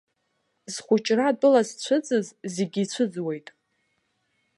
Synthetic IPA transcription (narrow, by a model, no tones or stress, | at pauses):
z̥χʷʊt͡ʃʼradʼʊlazt͡ɕʷʰɨd͡zʼɨzze̞ɡʲiːt͡ɕʷʰɨd͡zwe̞jtʼ